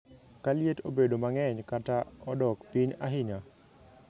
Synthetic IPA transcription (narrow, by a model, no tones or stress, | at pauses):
kaljeto̰bedomaŋɛɲkataɔdɔkpiɲaɦɪɲa